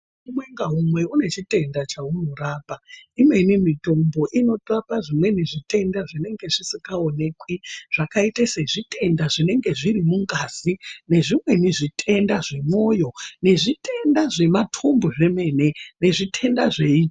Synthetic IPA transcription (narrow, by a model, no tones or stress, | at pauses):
umwe̞ŋɡaɦumwe̞une̞t͡ʃite̞ndat͡ʃauno̞raːpaimwe̞nimito̞mbo̞ʔino̞rapaʐimwe̞neʐite̞ndaʐine̞ŋɡe̞ʐisikaone̞kwiʐ̥akaitaseʐite̞ndaʐine̞ŋɡe̞ʐirimuŋɡaːz̥ine̞ʐimwe̞niʐitʰe̞ndaʐe̞mo̞ːjo̞ne̞ʐitʰe̞ndaʐe̞matʰomboʐe̞me̞ne̞ne̞ʐitʰe̞ndaʐe̞iː